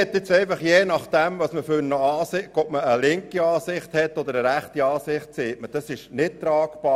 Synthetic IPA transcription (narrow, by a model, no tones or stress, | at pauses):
ɛt̪ːɪt͡sɛɪfɑχjeːnɑχd̥ɛmʋɑsməfynəɑːsɪkɔbməəlɪŋkiɑːsɪχthɛt̪ːɔd̪əɾəɾæχtiɑːsɪχtseːtməd̥ɑsɪʃnɪt̚t̪ɾɑːkb̥ɑː